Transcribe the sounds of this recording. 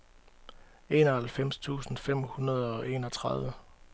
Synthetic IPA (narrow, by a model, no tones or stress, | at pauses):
e̝̰ːnɒhælfem̰st͡sʰṵːsn̩fem̰hunɐð̞ˠɒ̽ʔe̝̰ːnɒt͡sʰʁɑð̞ˠʋə